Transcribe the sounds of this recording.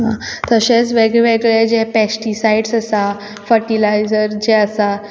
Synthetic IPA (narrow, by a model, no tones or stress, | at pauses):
ɦã̰t̪əɕet͡sʋeɡɭeʋeɡɭed͡ʑepɛsʈisaiɽsəsa | fəɾʈilajd͡zəɾd͡ʑeəsa